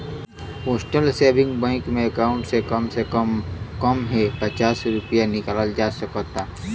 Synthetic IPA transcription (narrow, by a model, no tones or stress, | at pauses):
hoːsʈəlseːbʱɪ̃ŋɡbə̃ŋkmẽɐkaːʊ̃ɳʈsekəmse | kəmɦɛpət͡ʃaːsɾʊpjanɪkaləld͡ʒaːsəkɔt̪aː